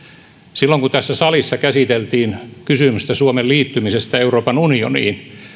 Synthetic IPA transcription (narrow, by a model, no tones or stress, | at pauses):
silːoŋkut̪æsːæsɑlisːɑkæsit̪elt̪iːnkysymyst̪æsuomelliːt̪ːymisest̪æeuroːpɑnunio̰nḭːn